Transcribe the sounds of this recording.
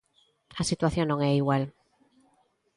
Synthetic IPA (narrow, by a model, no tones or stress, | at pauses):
asit̪waθjõnõŋɛiɣwal